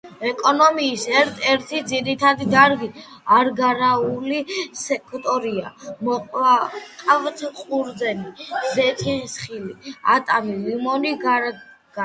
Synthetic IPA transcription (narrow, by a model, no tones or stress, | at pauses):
ɛkʼɔnɔmiːsɛɾt̪ʰɛɾt̪ʰid̪ziɾit̪ʰad̪id̪aɾɡiaɾɡaɾaulisɛkʰt̪ʼɔɾia̰mɔqʼaqʼavt̪ʰqʼuɾd̪zɛnizɛt̪ʰisχilia̰t̪ʼamilimɔni | ɡ